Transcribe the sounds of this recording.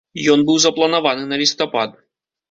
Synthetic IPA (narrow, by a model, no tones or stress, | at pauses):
jɔnbɨwzɐplˠɐnavanɨnɐlʲist̪ɔpad̪̚